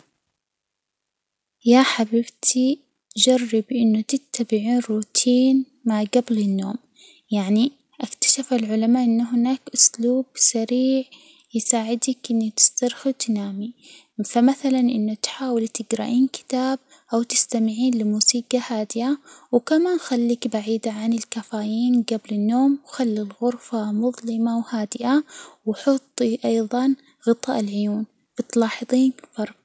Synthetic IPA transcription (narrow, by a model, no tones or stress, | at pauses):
jaħabɪbt̪ʰi | d͡ʒɑrˤːɪbʔɪnːʊt̪ɪt̪ːabɪʕuːnruːt̪ʰiːn | maʕɡablɪnːo̰ːm | jaʕni | ʔakt̪ḁʃafalʕʊlamaːʔɪnːʊɦɪnaːkʔʊsluːbsaɾiːʕ | jɪsaːʕɪd̪akʔɪnːit̪ɪ̥st̪ɑɾˤxut̪ɪnaːmi | famaθalanʔɪnːʊt̪ħaːwɪlt̪ɪɡɾa̰ʔiːnkɪ̥t̪aːb̚ | ʔawt̪ɪst̪amɪʕiːnlɪmuːsiːqɑhaːd̪ɪʔawkamaːnxalːiːkbaʕiːd̪aʕanɪlkafaːjiːnɡablɪnːoːmwxalːilɣʊɾfamʊðˤlɪmawhaːd̪ɪʔawɑħʊt̪ˤːʔɑjðˤɑn | ɣɨt̪ˤɑːʔɪlʕʊjuːn | bɪt̪lɑːħɨðˤiːnfɑɾˤq